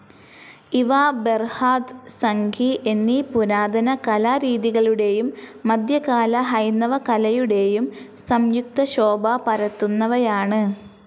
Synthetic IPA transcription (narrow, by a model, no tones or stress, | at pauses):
iʋaberhaːd̪sɐŋɡʰʱiʔenːipuɾaːd̪ʱɐnɐkɐlaɾiːðiɣɐɭuɽe̞jumːɐd̪ʱjɐkaːlɐɦɐjnːɐʋɐkɐlɐjuɽe̞jum | sɐmjuk̚t̪ɐɕo̞ːbɐpɐɾɐt̪ːunːɐʋɐjaːɳɨ